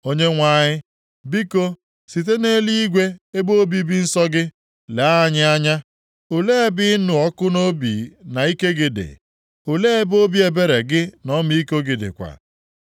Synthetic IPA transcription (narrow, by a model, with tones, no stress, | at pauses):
o˦ɲe˦ŋʷa˦˨ɲɪ˦ | bi˦ko˦ | si˨t̬e˦ne˦li˦i˦ɡʷe˦e˦bo˦bi˦bi˦n̩˦sɔ˦ɡɪ˦ | le˨a˦a˨ɲɪ˦a˦ɲa˦ | o˨le˦e˦bɪ˦nʊ˨ɔ˦kʊ˦no˦bḭ˨na˨i˦ke˦ɡɪ˨dɪ̰˨ | o˨le˦e˦bo˦bi˦e˨be˦ɾe˨ɡɪ˦nɔ˦mi˦i˦ko˦ɡɪ˨dɪ̰˨kʷa̰˨